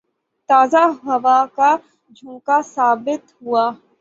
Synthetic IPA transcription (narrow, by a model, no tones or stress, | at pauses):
t̪aːzaɦɐʋaka | d͡ʒʱũːkasaːbɪt̪ɦuaː